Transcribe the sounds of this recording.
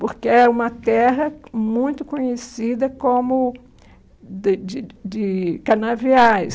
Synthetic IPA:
poɾkeɛũmɐt̪ɛɦɐmũj̃t̪ʊkõɲesid̪ɐkõmʊ | d̪ɪd͡ʒɪkanaviajs

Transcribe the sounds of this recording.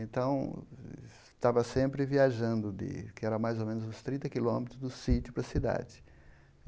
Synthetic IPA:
ẽnt̪ɐ̃w̃ | t̪avɐsẽmpɾɪviaʒɐ̃nd̪ʊd̪ɪ̰kɪɛɾɐmajzowmẽnʊzũst̪ɾĩt̪ɐkilõmet̪ɾʊzd̪ʊsit̪jʊpɾɐsid̪a̰d͡ʒɪ

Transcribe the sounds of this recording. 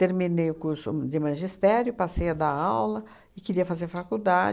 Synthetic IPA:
t̪eɾminejʊkuɾsʊ̰d͡ʒ̪ɪmɐ̃ʒist̪ɛɾjʊpasejɐd̪aawlɐ | ɪkɪɾiɐfazeɾfakud̪ad͡ʒ

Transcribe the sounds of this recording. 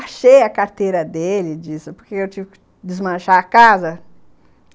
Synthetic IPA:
aʃejɐkaɾt̪ejɾɐd̪elɪd͡ʒisɪpoɾkeewt͡ʃivɪkɪ̥ | d̪ɪzmɐ̃ʃaɐkazɐ

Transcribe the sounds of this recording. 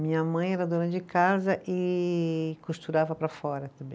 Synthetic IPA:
mĩɲɐmɐ̃j̃ɛɾɐd̪õnɐd͡ʒɪkazɐʔɪ | kust̪uɾavɐpɾɐfɔɾɐt̪ɐ̃bẽ

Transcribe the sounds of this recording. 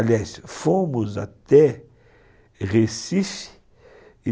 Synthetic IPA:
ljasfomʊza̰t̪ɛ | ʁesifi̥

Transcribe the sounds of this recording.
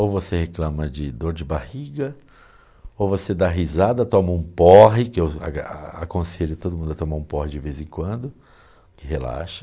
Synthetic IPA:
owvoseheklɐ̃mɐd͡ʒɪd̪oɾd͡ʒɪbahiɡɐ | owvosed̪aɦizad̪ɐt̪õmɐũpɔɦɪkɪewa̰a̰kõseʎʊt̪od̪ʊumũd̪ʊɐt̪õmaɾũpɔɦɪd͡ʒɪvezẽkwɐ̃nd̪ʊ | kɪɦela̰ʃɐ

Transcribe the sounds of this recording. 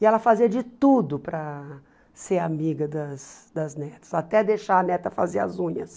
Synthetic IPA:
ɪɛlɐfaziɐd͡ʒɪt̪ud̪ʊpɾɐ | seɾamiɡɐd̪ɐs | d̪ɐznɛt̪ɐ̥sat̪ɛd̪eʃaɐnɛt̪ɐfa̰zeɾɐ̰zũɲɐs

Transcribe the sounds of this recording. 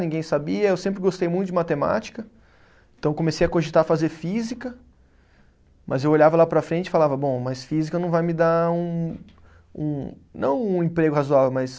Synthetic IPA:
nĩŋɡẽj̃sabiɐewsẽmpɾɪɡost̪ejmũj̃t̪ʊd͡ʒɪmat̪ema̰t͡ʃi̥kɐ | ẽnt̪ɐ̃w̃komesejɐkõʒit̪aɐfazeɾfizikɐ | mʔɐzewoʎavɐlapɾɐfɾẽnt͡ʃɪfalavɐbõmɐsfizikɐnɐ̃w̃vajmɪd̪aũ | ṵ̃nɐ̰̃w̃ũẽpɾeɡʊhazuavewmɐs

